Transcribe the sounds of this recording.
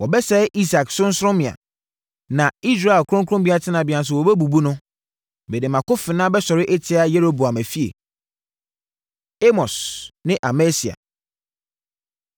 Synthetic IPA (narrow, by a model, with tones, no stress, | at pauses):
wɔ˨bɛ˦sɛ˦ʔi˦sa˨ksʊ̃˦n̩˦sɾʊ̃˦mɪ̃˨ã̰˨ | nã˨i˦s̬ɾa˦˨e˨lkʰɾʊ̃˦ŋkʰʊ̃˦mbi˦a˦tʰɪ˦nã˨bɪ˨ã˨n˨s̬ʊ˨wɔ˨bɛ˦bu˨bu˦nʊ̃˦ | bɛ˨dɪ˨mã˨kʊ˦fɪ˨nã˦bɛ˦sɔ˨ɾɪ˦ʔɛ˦tʰɪ˨˦a˦je˦ɾo˦bu˨a˨mæ˨fi˦ḛ˨ | e˦mɔ˨snɪ̃˦ʔa˨mɛ˦si˨a̰˨